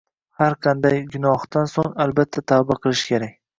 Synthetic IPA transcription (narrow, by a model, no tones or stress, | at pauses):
haɾqʰɑnd̪ajɡʊnɒht̪ansoŋalbat̪ʰːat̪ʰabaqʰɨlˠɪʃkʲʰe̞ɾakʲ